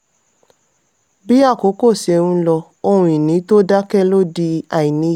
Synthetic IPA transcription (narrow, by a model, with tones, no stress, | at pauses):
bi˦a˦˨ko˨˦ko˦˨se˧ɾũ˧lɔ˧ | o˧ũ˧i˨nĩ˨˦to˦da˦kɛ˦lo˦di˧a˨i˨nĩ˨˧˦